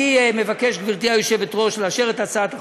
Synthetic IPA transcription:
imevake̞ʃɡviʁt̪iajoʃebet̪ʁo̞ʃlaʃeʁet̪at͡saːt̪a

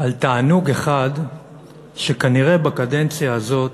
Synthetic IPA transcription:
alt̪aːnuɡe̞χad | ʃekaniʁe̞bakade̞nt͡sjaːzo̞t

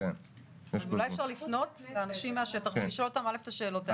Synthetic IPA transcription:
en | ezulajefʃaʁlifno̞tleanaʃimːeaʃet̪aχiʃoot̪amaleft̪aʃe̞ːlot̪

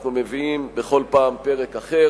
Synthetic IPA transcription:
χnumeviimbeχo̞lpaːmpe̞ʁe̞kaχe

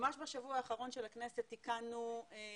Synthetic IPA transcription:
maʃbaʃavuaːχaʁo̞nʃelakneset̪ːikanu

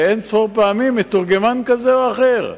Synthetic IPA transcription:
ensfoʁpeamimːet̪uʁɡemankazeoaχeʁ

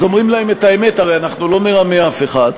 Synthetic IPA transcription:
zo̞mʁimlaeme̞tae̞me̞taʁejanaχnulo̞me̞ʁameafe̞χad̪

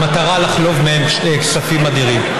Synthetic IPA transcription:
mat̪aʁalaχlo̞vmehemʃeksafimad̪iʁim

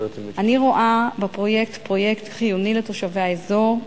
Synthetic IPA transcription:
ʔaniʁo̞ʔabepʁo̞je̞k̚tpʁo̞je̞ktχijunileto̞ʃaveaezo̞ʁ

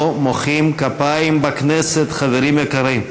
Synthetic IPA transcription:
moχimkapaimbakneset̪χaveʁimjekaʁim

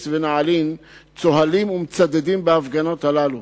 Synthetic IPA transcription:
svenaʕalin | t͡so̞ɦalimumet͡sad̪ed̪imbeafɡano̞t̪halalu

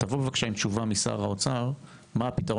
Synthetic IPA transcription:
tavobevakʃaimt͡ʃuvamisa̰ʁaot͡saʁ | maːpitaʁo

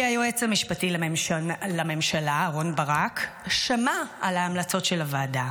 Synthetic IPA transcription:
ajuet͡samiʃpatilaemʃlame̞mʃalaʁo̞nbaʁakʃamaalaːmlɐt͡so̞tʃelavaːda

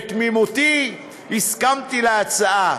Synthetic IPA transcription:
kmimut̪i | iskamt̪ilat͡saʔa

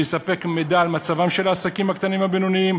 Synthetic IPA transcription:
esape̞kmed̪aːlmat͡savamʃe̞laːsakimhakt̪animhabenoniim

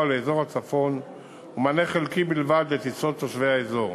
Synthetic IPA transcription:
aleezo̞ʁhat͡safo̞n | umaneχelkibilvad̪let̪it͡sot̪oʃveaezo̞ʁ

